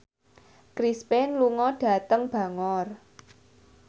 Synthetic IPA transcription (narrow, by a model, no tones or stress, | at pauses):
kɾispɛnluŋɔɖ̥ä̤t̪əŋb̥a̤ŋɔr